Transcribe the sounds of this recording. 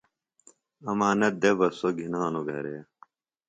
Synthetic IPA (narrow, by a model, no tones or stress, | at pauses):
ɐmaːnɐt̪̚d̪ebɐsoɡʱinaːnoɡʱɐ̰ɾeː